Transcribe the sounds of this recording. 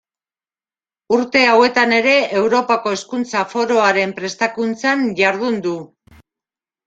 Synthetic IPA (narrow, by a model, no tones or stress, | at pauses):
uɾt̪e̞awe̞t̪ane̞ɾe̞ewɾo̞pako̞e̞skunt͡safo̞ɾo̞aɾe̞mpɾe̞st̪akunt͡sanʝaɾð̞und̪u